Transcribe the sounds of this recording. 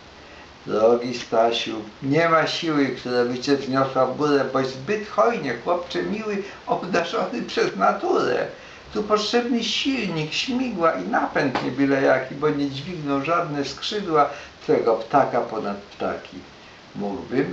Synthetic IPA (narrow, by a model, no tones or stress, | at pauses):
d̪ɾɔɡʲist̪aɕuwɲɛmaɕiwɘkt̪uɾavɘt͡ɕɛzɲɔswavɡuɾɛbɔjzbɘt̪xɔjɲɛxwɔpt͡ʂɛmʲiwɘ | ɔbd̪aʐɔnɘpʂɛznat̪uɾɛ̰ | t̪upɔtʂɛbnɘɕilɲikɕmʲiɡwaʔinapɛnt̪ɲɛbʲilɛjakʲibɔɲɛd͡ʑvʲiɡnɔwʐad̪nɛskʂɘd̪wat̪fɛɡɔpt̪akapɔnat̪̚pt̪a̰kʲḭ | muɡbɘm